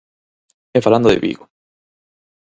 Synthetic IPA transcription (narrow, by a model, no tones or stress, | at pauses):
efaland̪oðḛβḭɣo